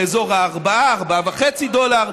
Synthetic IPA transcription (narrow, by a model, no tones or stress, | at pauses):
ezoʁhaːʁbaaːʁbaavaχet͡sid̪olaʁ